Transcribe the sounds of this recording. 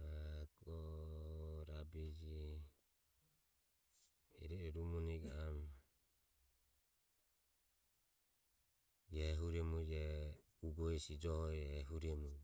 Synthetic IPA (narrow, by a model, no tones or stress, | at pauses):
akɔ | ɾabid͡ʒi | ɛ̰ɾɛɛɾumuniɡaam | jɛɦuɾɛmud͡ʒɛ | uɡɔisid͡ʒɔhɔɛɦuɾɛmu